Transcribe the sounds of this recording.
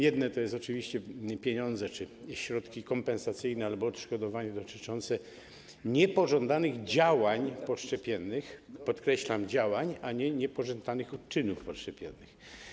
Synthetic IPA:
jɛd̪nɛt̪ɔjɛst̪ɔt͡ʂɨvʲiɕt͡ɕɛpʲjeɲɔnd̪zɛt͡ʂɘɕɾɔt̪kʲikɔmpɛnsat̪sɘjnɛalbɔːt̪ʂkɔd̪ɔvaɲɛd̪ɔt̪ɘt͡ʂɔnt̪sɛ | ɲɛpɔʐɔnd̪anɘɣd͡ʑawaɲpɔʂt͡ʂɛpʲjɛnːɘxpɔt̪kɾɛɕlamd͡ʑawaɲaɲɛɲɛpɔʐɔnd̪anɘxɔt̪t͡ʂɘnufpɔʂt͡ʂɛpʲjɛnːɘx

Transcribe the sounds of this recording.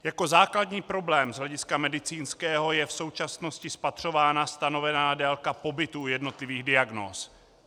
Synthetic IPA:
jako̞zaːkladɲiːpɾo̞blɛːmzɦlɛɟɪskamɛdɪt͡siːnskɛːɦo̞jɛfso̞wt͡ʃasno̞scɪspat̪r̝̥o̞vaːnast̪ano̞vɛnaːdɛlkapo̞bɪt̪uːjɛdno̞t̪lɪviːɣdɪaɡno̰ːs

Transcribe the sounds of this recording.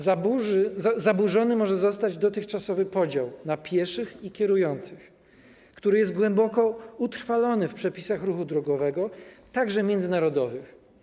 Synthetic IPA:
zabuzabuʐɔnɘmɔʐɛzɔs̬t̪ad͡ʑd̪ɔt̪ɘxt͡ʂasɔvɘpɔd͡ʑawnapʲjɛʂɘxikʲjɛɾujɔnt̪sɘx | kt̪uɾɘjɛst̪̚ɡwɛmbɔkɔut̪ɾ̥falɔnɘfpʂɛpʲisaxɾuxud̪ɾɔɡɔvɛɡɔt̪aɡʐɛmʲjɛnd̪zɘnaɾɔd̪ɔvɘx

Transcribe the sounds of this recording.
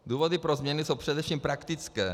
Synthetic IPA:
d̪uːvod̪ipɾozmɲɛnisowpr̥ɛd̪ɛfʃiːmpɾakt̪ɪt͡skɛː

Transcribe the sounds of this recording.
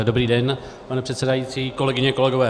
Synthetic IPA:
dobɾiːdɛn | panɛpr̝̥ɛt̪sɛdajiːt͡siːko̞lɛɡɪɲɛko̞lɛɡo̞vɛː

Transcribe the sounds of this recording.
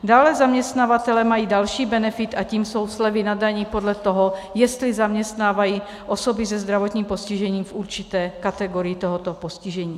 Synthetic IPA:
daːlɛzamɲɛst̪navat̪ɛlɛmajiːdalʃiːbɛnɛfɪt̪ʔaciːmso̞wslɛvɪnadaɲiːpo̞dlɛt̪o̞ɦojɛst̪lɪzamɲɛst̪naːvajiː | ʔosobɪzɛzd̪ɾavot̪ɲiːmpo̞sciʒɛɲiːmfʔuɾt͡ʃɪt̪ɛːkat̪ɛɡoɾɪjit̪oɦot̪oposcɪʒɛɲiː

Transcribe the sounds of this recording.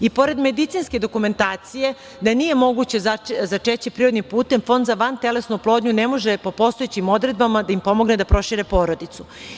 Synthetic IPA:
ipo̞ɾe̞d̪me̞d̪it̪siːnske̞d̪o̞kume̞nt̪aːt̪sije̞ | d̪anije̞mo̞ɡut͡ɕe̞zazat͡ʃet͡ɕipɾiɾod̪nimpuːt̪e̞mfo̞nd̪zaʋant̪e̞le̞snuplo̞ːd̪ɲunemo̞ʒepopo̞st̪o̞et͡ɕimo̞d̪ɾe̞d̪̚bamad̪aimpo̞mo̞ɡned̪apɾo̞ʃiɾepo̞ːɾo̞d̪it̪su

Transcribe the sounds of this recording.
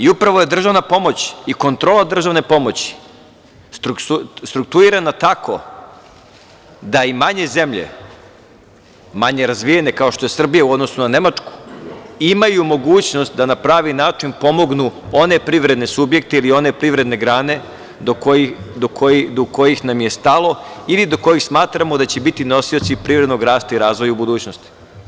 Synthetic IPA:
iupɾaʋoje̞d̪r̩ʒaʋnapo̞mo̞t͡ɕiko̞nt̪ɾoːlˠad̪r̩ʒaʋne̞po̞mo̞t͡ɕi̥ | st̪ɾuust̪ɾuk̚t̪uɾiɾanat̪akʰo̞̰ | d̪aimaɲe̞ze̞mʎḛ | maɲe̞ɾazʋije̞ne̞kao̞ʃt̪o̞jesr̩bijauo̞d̪nosunane̞mat͡ʂku̥imajumo̞ɡuːt͡ɕno̞st̪d̪anapɾaːʋinaːt͡ʂinpo̞mo̞ɡnuo̞ne̞pɾiʋɾe̞d̪ne̞subje̞k̚t̪e̞ilio̞ne̞pɾiʋvɾe̞d̪ne̞ɡɾaːne̞ | d̪okojid̪okʰojid̪oko̞jixnamje̞st̪alˠo̞ilid̪o̞ko̞jixsmaːt̪ɾamod̪at͡ɕe̞bit̪ino̞siot̪sipɾivɾed̪no̞ɡɾaːst̪aiɾaːzʋo̞jaubud̪uːt͡ɕno̞st̪i̥

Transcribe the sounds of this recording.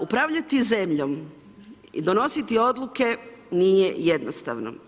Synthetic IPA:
upɾaʋʎat̪ize̞mʎom | ḭd̪o̞no̞sit̪io̞d̪lˠuke̞nijejed̪nost̪a̰ʋno̰

